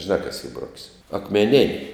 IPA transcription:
ʒʲɪˈnɑː kɐs iː ˈbroːkʲsʲ ɐkmʲɛˈnʲɪnʲ

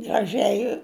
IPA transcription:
ɡrɐˈʒʲɛɪ

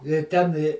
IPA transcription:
ɪ ˈtʲɛn ɪ

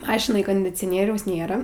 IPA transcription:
ˈmɑːʃʲɪnɐj koːnʲdʲɪt͡sʲoːˈnʲiɛrʲɛʊs ˈnʲeːrɐ

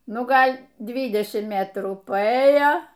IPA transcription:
ˈnʊ ˈɡɐlʲ ˈdʲʋʲiːdʲɛʃʲɪmt ˈmʲæːtruː pɐˈeːjoː

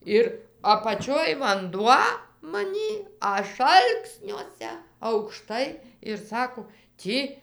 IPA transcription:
ˈɪr ɐpɐˈt͡ʃʲoːj ʋɐnˈduɔ mɐˈnʲiː ˈɐʃ ˈɐlˠksʲnʲuɔsʲɛ ɐʊkˈʃtɐɪ ɪr ˈsɑːkoː ˈtʲiː

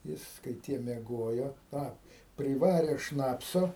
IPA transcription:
ˈjɪs kɐɪ ˈtʲiɛ mʲiɛˈɡoːjoː ˈtɑː pʲrʲɪˈʋɑːrʲeː ˈʃnɑːpsoː

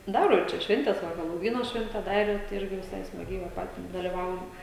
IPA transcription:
ˈdɑːroː ɪr ˈt͡ʃʲɛ ˈʃʲʋʲɛnʲtʲɛs ʋɐ ɣʲɛlˠoːʊˈʋʲiːnoː ˈʃʲʋʲɛnʲtʲɛ ˈdɑːrʲeː tɐɪ ˈɪrʲɡʲɪ ʋʲɪˈsɐɪ smɐˈɡʲɛɪ ʋɐ ˈpɑːtʲɪs dɐlʲɪˈʋɐʊjɛm

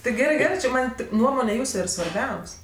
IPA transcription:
tɐɪ ˈɡʲæːrɜ ˈɡʲæːrɜ t͡ʃʲɪ ˈmɐnʲ ˈtʲɪk ˈnuɔmoːnʲɛ ˈjuːsʊ ɪr sʋɐrʲˈbʲɛʊsʲ

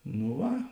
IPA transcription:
nʊ ˈʋɐ

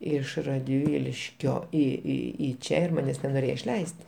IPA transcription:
ˈɪʃ rɐdʲˈʋʲiːlʲɪʃʲkʲoː iː iː iː ˈt͡ʃʲɛ ɪr ˈmɑːnʲɛs nʲɛnoːˈrʲeːjoː ɪʃʲˈlʲɛɪsʲtʲ

